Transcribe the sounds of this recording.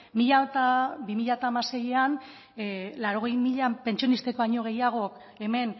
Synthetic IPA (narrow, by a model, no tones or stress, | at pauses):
miʎat̪abimiʎaot̪aːmase̞jean | laɾo̞ɣ̞e̞jmiʎape̞nt͡ʃionist̪e̞ko̞aɲo̞ɣ̞e̞jaɣ̞o̞k | e̞me̞n